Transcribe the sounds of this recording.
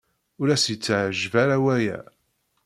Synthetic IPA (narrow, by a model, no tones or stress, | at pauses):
ʊɾæsjət͡sːʕəʒvaɾawæjæ̰